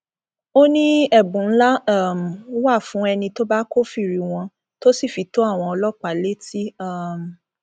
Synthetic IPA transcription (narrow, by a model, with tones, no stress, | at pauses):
o˦nĩ˦ɛ˦˨bũ˨n̩˦la˦a˦˨m˨˦wa˦˨fũ˨˦ɛ˧nĩ˧to˦ba˦ko˦fi˦˨ɾi˨˦w̃ɔ̃˧ | to˦si˦˨fi˨˦to˦a˦˨w̃ɔ̃˧ɔ˧lɔ˦k͡pa˨˦le˦tʰi˦a˦˨m̩˨